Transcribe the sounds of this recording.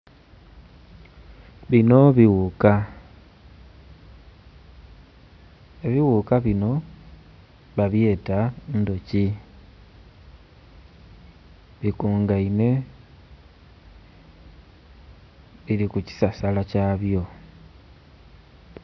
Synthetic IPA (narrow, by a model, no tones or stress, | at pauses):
βino̞βiwuka | eβiwukaβino̞ | βaβje̞ːtando̞ci | βikuːŋɡaine̞ | βilikuci̥sasalacaβjo̞